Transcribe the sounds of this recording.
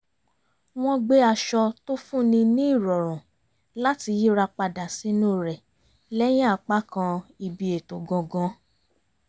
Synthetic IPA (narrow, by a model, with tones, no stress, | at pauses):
w̃ɔ̃˧ɡ͡be˦a˧ʃɔ˧to˦fũ˦˨nĩ˧nĩ˦i˦˨ɾɔ˨ɾ̃ũ˨ | la˦ti˧ji˦ɾa˧k͡pa˧da˨sĩ˨˦nũ˦˨ɾɛ˨ | lɛ˦j̃ĩ˦a˦˨k͡pa˦kã˧i˨bi˨˧e˨to˨ɡɔ̃˧ɡɔ̃˧